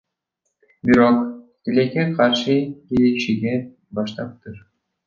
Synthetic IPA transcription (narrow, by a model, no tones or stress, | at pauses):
bʲiɾokt̪ʲilʲekʲeqʰɑrʃɯkeleʃiɡʲe | bɑʃt̪ɑp̚t̪ɯr